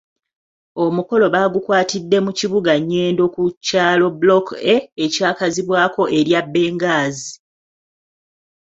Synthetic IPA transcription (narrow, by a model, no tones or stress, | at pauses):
o̞muko̞lo̞βaːɡukwaːtidːe̞muciβuɡaɲːe̞ːndo̞kucaːlo̞blokeːcaːkaziβwaːko̞ʔe̞ɾjabːe̞ːŋɡaːzi